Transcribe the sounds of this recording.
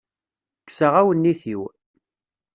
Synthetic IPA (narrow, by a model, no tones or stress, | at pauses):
kːsəʁæwənːiθiw